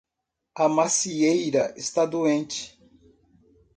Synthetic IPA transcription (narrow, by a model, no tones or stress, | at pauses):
ɐmasiejɾɐest̪ad̪uẽnt͡ʃɪ̥